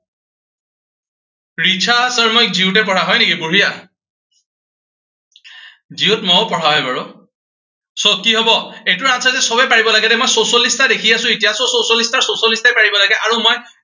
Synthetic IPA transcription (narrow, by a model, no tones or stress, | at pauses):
ɹit͡ʃʰasaɹmojziʊtɛpɔɹaɦɔjnekibuɦija | ziʊtmɔpɔɹaɦɔjbaɹʊ | sɔkːiɦɔbɔetʊɹasʰazɛsɔbɛpaɹibɔlaɡɛdɛmojsosɔlistadekʰijasʊ̃etijasɔsosɔlistaɹsosɔlistajpaɹibɔlaɡɛʔaɹumoj